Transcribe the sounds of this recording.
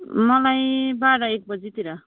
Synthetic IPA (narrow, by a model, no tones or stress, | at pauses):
mʌlajbaɽʌek̚bʌd͡zit̪iɾʌ